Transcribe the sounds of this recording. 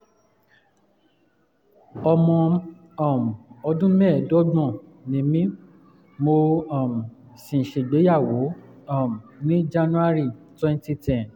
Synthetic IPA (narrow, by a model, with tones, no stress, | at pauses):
ɔ˧mɔ̃˧ | ɔ˨m˨ɔ˧dũ˦mɛ̃˦˨dɔ˦ɡ͡bɔ̃˦˨ | nĩ˨˦mĩ˦ | mo˧ɔ˨m˨ | sĩ˨ʃe˨ɡ͡be˨˦ja˦˨wo˨˦ɔ˦˨m˨nĩ˦d͡ʒa˧nũ˦a˦ɾi˦˨twɛ̃˦˧n˦ti˧˦tɛ̃˨